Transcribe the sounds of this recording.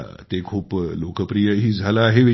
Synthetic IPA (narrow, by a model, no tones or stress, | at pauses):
t̪ekʰuːplokəpɾijəɦiːd͡zʱalaːɦeʋe